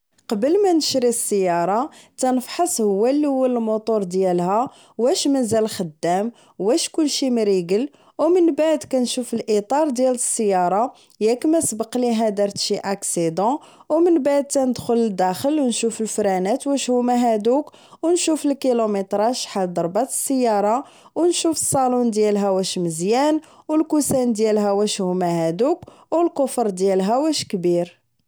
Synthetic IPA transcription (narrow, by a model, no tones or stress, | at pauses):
qɑbəlmænəʃɾisˤːəjːɑɾˤɑt̪ænəfħɑsˤhʊwːælːihʊwːællmut̪ˤuɾˤd̪jælhæ | wæʃmæzælxəd̪ːæm | wæʃkʊlːʃimɾiɡəl | wmənbaʕd̪kænʃufəlʔit̪ˤɑɾˤd̪jæləsˤːəjːɑɾˤɑ | jækmæsbəqliɦæd̪ɑɾt̪ʃiʔaksid̪ɑ̃wmənbaʕd̪̚t̪ænəd̪xʊləd̪æxəlwnʃufəlfɾænæt̪wæʃhʊmæɦæd̪uk | wnʃufəlkilomet̪ɾˤɑʃħad̪ɑɾˤbɑt̪ə̥sːəjːɑɾˤɑ | wnʃufə̥sˤːɑlund̪jælɦæwæʃməzjæn | wəlkusænd̪jælɦæwæʃhʊmæhæd̪uk | wəlkʊfɾˤd̪jælɦæwæʃkbiɾ